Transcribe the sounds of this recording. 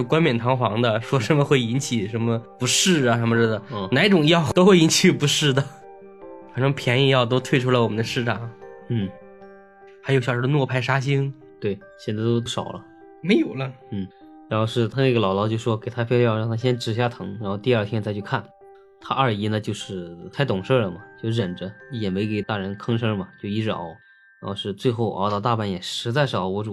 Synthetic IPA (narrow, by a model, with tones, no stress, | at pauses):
jo˥˧˩kwa˥nmjɛ˨˩nt̪ʰɑ˧˥ŋxwɑ˧˥ŋd̪ə˧ʂwɔ˥ʂə˧˥nmə˧xwe˥˩ɪi˧˥nt͡ɕʰi˨˩ʂə˧˥nmə˧pu˧˥ʂɻ̩˥˩ə˩ʂə˧˥mə˧ʂɻ̩˥˩d̪ə˩˧na˧˥ɪʈ͡ʂʊ˨˩ŋjɑ˥˧ʊt̪o˥ʊxwe˥˩ɪi˧˥nt͡ɕʰi˨˩pu˧˥ʂɻ̩˥˩d̪ə˩ | xɑ˨˩ʈ͡ʂʰŋpʰjɛ˧˥ni˧˥ŋjɑ˥˧ʊt̪̬o˥ʊt̪ʰwe˥˧ɪʈ͡ʂʰu˥la˧ɪwɔ˨˩mə˦nd̪ə˧ʂɻ̩˥˩ʈ͡ʂɑ˨˩˦ŋn̩˥˩ | xa˧˥jo˧˥ʊɕɑ˨˩ʂɻd̪nwɔ˥˧˩pʰa˥ɪʂa˥ɕ̬i˥ŋ | t̪we˥˩ɪ | ɕjɛ˥˩na˧˥˩t̪o˥o˥ʂɑ˨˩ʊlə̰˦ | me˧˥ɪjo˨˩ʊlə˦n̩˥˩ | ɻa˧˥nxo˥˧ʊʂɻ̩˥˧t̪ʰa˥ne˥˩ɡə˩lɑ˨˩ʊlɑ˧˥ʊt͡ɕjo˥˧ʂʂwɔ˥ke˨˩ɪt̪ʰa˥pʰe˥˧˥jɑ˥˧ʊɻɑ˥˧ŋt̪ʰa˥ɕjɛ˥nʈ͡ʂɻ̩˨˩ɕ̬ja˥˩t̪ʰɤ˧˥ŋɻa˧˥nxo˥˧ʊt̪i˥˧ɐ˥˩t̪ʰjɛ˥nt͡sʰa˧˥t͡ɕʰy˥˧˩kʰa˥˩n | t̪ʰa˥ʔə˞˥˩i˧˥nə˧t͡ɕjo˥˧ʊʂɻ̩˥˩t̪ʰa˥˩ɪt̪ʊ˨˩ŋʂɤ˥˩lə˩mɐ˩t͡ɕjo˥˧ʊɻə˨˩nʈ͡ʂə˦jɛ˨˩me˧˥ɪke˨˩ɪt̪a˥˩ɻə˧˥nkʰɤ˥ŋʂɤ˥mɐ˨t͡ɕjo˥˧ʊi˧˥ɻɑ̰˨˩˦ʊ | ɻa˧˥xo˥˧ʊʂɻ̩˥˧t͡swe˥˧ɪxo˥˩ʊʔt̪ɑ˥˧ʊt̪a˥˧pa˥˩njɛ˨˩ʂɻ̩˧˥t͡sa˥˧ɪʂʊwɔ˧˥ʈ͡ʂu˨˩